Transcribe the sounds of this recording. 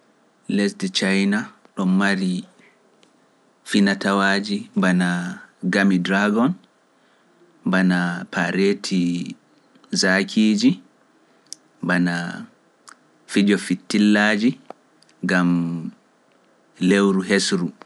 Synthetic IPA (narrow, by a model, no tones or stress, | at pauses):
lesdɛt͡ʃajna | ɗɔmːaɾi | finatawaːd͡ʒimbanaɡamidɾaɡɔn | banapʰaɾeːtʰi | zakʰiːd͡ʒi | mbana | fid͡ʒɔfitːilːaːd͡ʒi | ŋɡam | lewɾuɦesɾu